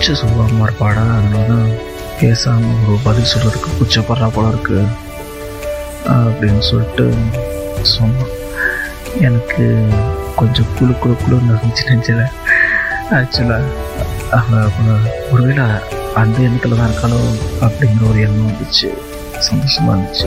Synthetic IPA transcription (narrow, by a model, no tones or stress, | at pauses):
t͡ʃːɐsʊlːaːmaːɾpaːɽaːɐnːɐːnaː | peːsaːmɐɔɾɯbɐlɪlsɔlːɐɾɯkːɯpʊt͡ʃːɐpːɐɾɐɾaːpoːlɐ̃ɪɾɯkːɯ | ɐpːɐɽɪnːɯsɔlʈːɯ̰ | sɔmːa | ɛnɐkːɯkɔɲd͡ʒɔ̃kʊlʊkːʊɭɯkːʊlnɐɐnɪt͡ʃːɯnɛɲd͡ʒɪlɐ | ɐt͡ʃːɪlːa | ɐɐpːɐɔɾɯʋeːlɐ | ɐnd̪ɐɛnːɐt̪ːlɐt̪ãːɪɾɯkːaːloɐpːɐɽɪŋɡɪɾɐɔɾɯɛnːɐʋɐnd̪ɯt͡ʃːɯ̰ | sɐnd̪oːʂɐma̰ːɾɐnd̪ɪt͡ʃːɯ